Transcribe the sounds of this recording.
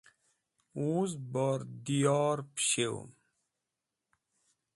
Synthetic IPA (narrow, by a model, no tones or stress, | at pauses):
uːzbaɾd̪ijaːɾpɕeo̰m